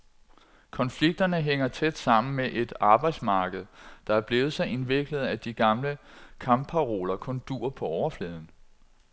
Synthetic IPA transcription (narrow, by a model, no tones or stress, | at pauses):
kʰɒ̽nfliɡ̥̚d̥ɐnəɦeŋ̰ɐt͡sʰed̥sɑ̈m̰n̩meʔe̝d̥ɑ̈ːb̥ɑ̈ɪ̥smɑ̈ːɡ̥əð̞̩ˠd̥ɑ̈æɐb̥le̝ːʊð̩ˠsɑ̈ɪe̝nʋe̝ɡ̥ləð̞̩ˠæd̥iɡ̥ɑ̈mləkʰɑ̈mpʰɑ̈ʁo̝ːlɐkʰɔ̽nd̥uːɐpʰɒ̽ɒʊɐfleːð̞ˠn̩